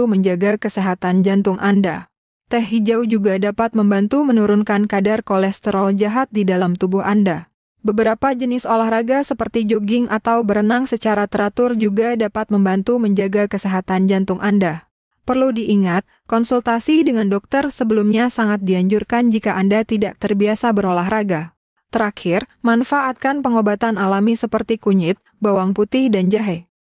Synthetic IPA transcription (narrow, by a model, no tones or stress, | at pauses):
uməɲd͡ʒaɡakəseɦat̪and͡ʒant̪ʊŋʔanda | t̪ɛhɦid͡ʒawd͡ʒuɡadapat̪̚məmbant̪umənuɾʊnkankadarkolɛst̪əɾɔld͡ʒaɦat̪̚didalamt̪ubʊhanda | bəbəɾapad͡ʒənɪsolahraɡasəpərt̪id͡ʒoɡɪŋʔat̪awbəɾənaŋsət͡ʃaɾat̪əɾat̪ʊrd͡ʒuɡadapat̪̚məmbant̪uməɲd͡ʒaɡakəsɛɦat̪and͡ʒant̪ʊŋʔanda | pərludiʔːŋat̪̚kɔnsult̪asidəŋandɔk̚t̪ərsəbəlumɲasaŋat̪̚diaɲd͡ʒurkand͡ʒikaʔandat̪idaʔ̚t̪ərbiasabəɾolaɦɾaɡa | t̪əɾakʰɪrmanfaʔat̪̚kanpəŋobat̪analamisəpərt̪ikuɲɪt̪̚ | bawaŋput̪ɪhdand͡ʒaɦɛ